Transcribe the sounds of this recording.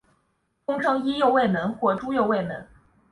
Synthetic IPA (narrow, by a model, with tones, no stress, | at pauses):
kʊ˥ŋʈ͡ʂʰɤ˥ŋi˥jo˥˧ʊwe˥˩ɪmə˧˥nxwɔ˥˩ʈ͡ʂu˥jo˥˧ʊwe˥˩ɪmə˧˥n